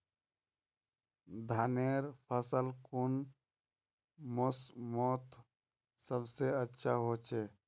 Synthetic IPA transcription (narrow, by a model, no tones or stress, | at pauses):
d̪ʱaneɾpʰəsəlkun | mosmot̪ʰ | səbseətːʃʰaɦoːt͡ʃʰe